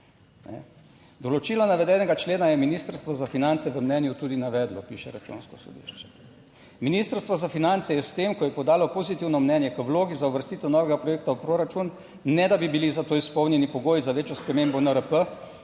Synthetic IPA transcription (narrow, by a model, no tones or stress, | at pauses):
nɛ̰ | d̪ɔlɔt͡ʃiːlɔnaʋɛd̪ɛnɛɡat͡ʃleːnajɛminiːst̪əɾst̪ʋɔzafinant̪sɛʋəmnɛnjut̪uːd̪inaʋɛːd̪lɔpiːʃɛɾat͡ʃṵnskɔsɔ̰d̪ḭʃt͡ʃɛ̥ | miniːst̪əɾst̪ʋɔzafinant̪sɛjɛst̪emkɔjɛpɔd̪aːlɔpozit̪iwnɔmnɛnjɛkəwloːɡizauʋəɾst̪iːt̪ɛwnɔːʋɛɡapɾɔjeːkt̪awpɾoːɾat͡ʃun | nɛd̪abibilizat̪oːispɔwnjɛnipɔɡoːjizaʋeːt͡ʃjɔspɾɛmembɔnəɾəpə